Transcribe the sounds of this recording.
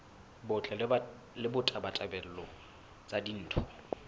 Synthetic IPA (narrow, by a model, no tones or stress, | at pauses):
bʊt͡ɬʼɛ | lɪbʊtʼabatʼabɛl̩lɔ | t͡sʼadin̩ːtʰʊ̥